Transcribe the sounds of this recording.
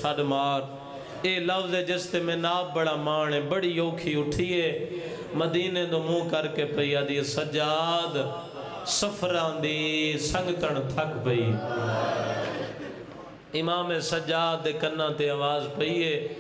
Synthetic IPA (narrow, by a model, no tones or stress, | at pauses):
aɗmaːɾ | eːləfzeːd͡ʒest̪eːmẽːnaːb̚bəɽãːmaːɳeːbəɽiːoːkʰiːʊʈʰiːɦeː | məd̪iːnẽːd̪oːmũːkəɾkeːpəiːaːd̪iːeːsəd͡ʒaːd̪ | səpʰɾãːd̪iːsə̃ŋɡt̪əɳt̪ʰəkbəiː | ɪmaːmẽːsəd͡ʒaːd̪̚d̪eːkənãːt̪eːaʋaːzpəiːɦeː